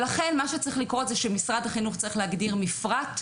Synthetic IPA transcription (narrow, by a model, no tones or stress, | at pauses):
laχe̞nmaʃet͡saʁiχlikʁo̞tzɛʃemisʁad̪haχinuχt͡saʁiχleaɡdiʁmifʁat